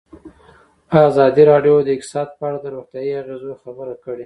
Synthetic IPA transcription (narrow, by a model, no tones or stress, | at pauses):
azɑd̪iɾɑɖjod̪əɪk̚t̪ɪ̥sɑd̪̚pəaɽad̪əɾoxt̪jɑjiaɣezoxabəɾakəɽe